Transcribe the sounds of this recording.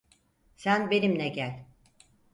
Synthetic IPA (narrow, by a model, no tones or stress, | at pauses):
sænbe̞nimnɛɟælʲ